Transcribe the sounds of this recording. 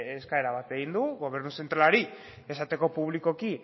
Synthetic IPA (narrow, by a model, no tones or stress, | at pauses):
eskaeɾaβat̪e̞ɣind̪uɣo̞βe̞ɾnusent̪ɾalaɾi | e̞sat̪e̞ko̞puβliko̞ki